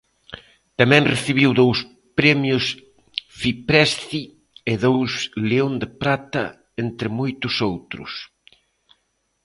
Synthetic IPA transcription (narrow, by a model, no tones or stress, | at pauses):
t̪amɛ̃ŋreθiβiwðows | pɾɛmjʊs | fipɾɛst̪i | ɪðowsleond̪epɾat̪ɐ̰ | ent̪ɾɪmojt̪ʊsowt̪ɾʊ̰s